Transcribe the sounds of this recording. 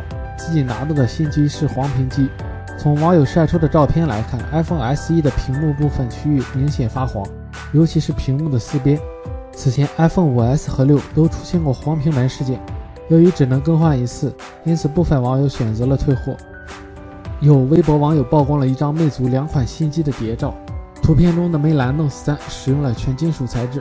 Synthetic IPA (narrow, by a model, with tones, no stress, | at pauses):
t͡sɹ̩˥˩t͡ɕi˨˩na˧˥t̪ɑ˥˩d̪ə˩ɕi˥˩nt͡ɕʰi˥ʂɻ̩˥˩xwɑ˧˥ŋpʰi˧˥ŋt͡ɕi˥ | t͡sʰʊ˧˥ŋwɑ˧˥ŋjo˨˩ʊʂa˥˩ɪʈ͡ʂʰu˥d̪ə˨ʈ͡ʂɑ˥˧ʊpʰjɛ˥˩nla̰˧˥ɪkʰa˥˩nʔa˥ɪfɤ˥˧ŋa˧˥ɪsɹ̩˥˧i˥d̪ə˨pʰi˧˥ŋmu˥˧p̬u˥˩fə˨˩nt͡ɕʰy˥y˥˩mi˧˥ŋɕjɛ˨˩nfa˥xwɑ̰˧˥ŋ | jo˧˥ʊt͡ɕʰi˧˥ʂɻ̩˥˩pʰi˧˥ŋmu˥˩d̪ə˩sɹ̩˥˧pjɛ˥n | t͡sʰɹ̩˨˩t͡ɕʰjɛ˧˥nʔa˥ɪfɤ˥˩ŋu˨˩a˧˥ɪsɹ̩˥xɤ˧˥ljo˥˩ʊt̪o˥ʊʈ͡ʂʰu̥˥ɕjɛ˥˧nkwɔ˥˩xwɑ˧˥ŋpʰi˧˥ŋla˧˥ʂɻ̩˥˧t͡ɕjɛ˥˩n | jo˧˥y˧˥ʈ͡ʂɻ̩˨˩nɤ˧˥ŋkɤ˥xwa˥˩ni˧˥t͡sʰɹ̩˥˩ | i˥nt͡sʰɹ̩˨˩pu˥˩fə˨˩nwɑ˧˥ŋjo˧˥ʊɕɥɛ˨˩nt͡sɤ˧˥lə˧t̪ʰwe˥˧ɪxwɔ̰˥˩ | jo˨˩ʊwe˥ɪp̬wɔ˧˥wɑ˧˥ŋjo˨˩ʊpɑ˥˧ʊkwɑ˥ŋlə˧i˥˩ʈ͡ʂɑ˥ŋme˥˩ɪt͡su˧˥ljɑ˧˥ŋkʰwa˨˩nɕi˥˧nt͡ɕi˥d̪ə˨t̪jɛ˧˥ʈ͡ʂɑ˥˩ʊt̪ʰu˧˥pʰjɛ˥˧nʈ͡ʂʊ˥ŋd̪ə˨me˧˥ɪla˧˥nlɤ˥˧ŋsɹ̩˥˩sa˥nʂɻ̩˨˩jʊ˥˩ŋlə˩t͡ɕʰɥɛ˧˥nt͡ɕi˥nʂu˨˩t͡sʰa˧˥ɪʈ͡ʂɻ̩˥